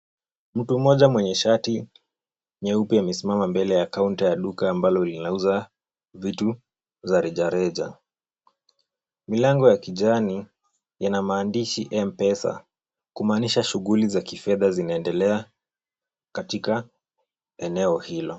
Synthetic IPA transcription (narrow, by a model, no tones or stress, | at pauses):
m̩tum̩mɔʄamwɛɲɛʃati | ɲɛupiamɛsimamambɛlɛjakauntijaɗukaːmbalɔlinauza | vitu | zaɾiʄaɾɛʄa̰ | milaŋɡɔjakiʄani | janamaːndiʃiʔɛmpɛsa̰ | kumaːniʃaʃuɣulizakifɛðazinaɛndɛlɛa | katika | ɛnɛɔhilɔ